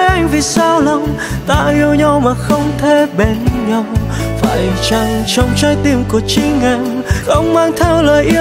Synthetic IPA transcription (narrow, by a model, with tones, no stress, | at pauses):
jʔa˧jŋ̟vi˨˩saː˧wla˨˧ŋ͡m | t̪a̰ː˧ʔi˧əwɲɔ˧wmaː˨˩xə˧wŋ͡mt̪ʰe˧˩ɓe˧˩nɲa˧w | fa̰ː˧˩jt͡ɕa˧˩ŋt͡ɕɔ˧wŋ͡mt͡ɕaː˧˥jt̪i˧˩əmku˨˧˩ət͡ɕi˧˦ŋa˧˩m | ʔə˧wŋ͡mmaː˧ŋt̪ʰɛ˧wləː˨˩jʔi˧